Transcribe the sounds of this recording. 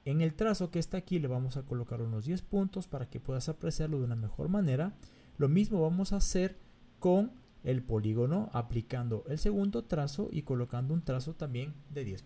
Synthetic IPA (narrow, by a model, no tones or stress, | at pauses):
e̞ŋe̞lt̪ɾaso̞keest̪akile̞βamo̞sako̞lokaɾuno̞zðje̞spunt̪o̞spaɾake̞pwe̞ðasapɾeseɾloðuname̞xo̞̰ɾmane̞ɾa | lo̞mizmo̞βamo̞saːse̞ɾ | ko̞ŋ | e̞lpo̞liɣo̞no̞ʔaplikand̪o̞ʔe̞lse̞ɣund̪o̞t̪ɾaso̞̰ʔḭko̞lo̞kand̪ount̪ɾaso̞t̪ambje̞nd̪e̞ðjes